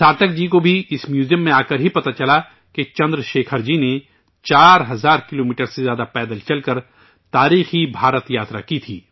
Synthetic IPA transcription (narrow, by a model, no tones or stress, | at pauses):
saːt̪ək̚d͡ʒiːkobʱiɪsmjuːzijəmːẽaːkɐɾɦipɐt̪at͡ʃɐla | ket͡ʃɐ̃nd̪ɾʃeːkʰəɾd͡ʒine | t͡ʃaːɾɦɐzaːɾkɪloːmiːʈəɾsezjaːd̪apɛːd̪əlt͡ʃɐlkɐɾ | t̪aːɾiːxibʱaːɾət̪jaːt̪ɾa̰kit̪ʰḭː